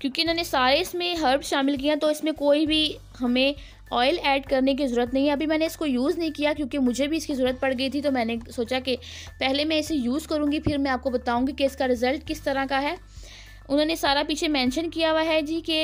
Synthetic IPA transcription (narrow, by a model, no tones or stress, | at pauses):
kjõːkeʊnɦõːnesaːɾeɪsmẽɦəɾpsʃaːmɪlk̬ijãt̪oɪsmẽkoːibʱi | ɦɐmẽ | ɔːɪlɛːɖkɐɾnek̬izɐɾuːɾət̪nɐɦĩɦɛɐbʱimɛ̃ːneɪskojuːznɐɦĩkijakjõːkemʊd͡ʒʱebʱiɪskizɐɾuːɾət̪̚pɐɽɡɐit̪ʰit̪omɛ̃ːnesoːt͡ʃake | pɛɦlemɛ̃ɪsejuːzkɐɾũːŋɡipʰɪɾmɛ̃aːp̚kobɐt̪aːũːɡikeɪskaɾɪzəlʈkɪst̪ɐɾãkaɦɛː | ʊnɦõːnesaːɾapiːt͡ʃʰemɛ̃ːnʃənkijaʋaɦɛd͡ʒiːke